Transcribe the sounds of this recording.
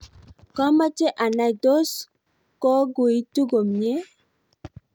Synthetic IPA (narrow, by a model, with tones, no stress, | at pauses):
kɔ˦ma˦t͡ʃe˦ʔa˨na˨do˦s | kɔ˦ɡu˨i˦tu˦ɡo˨mɲe˦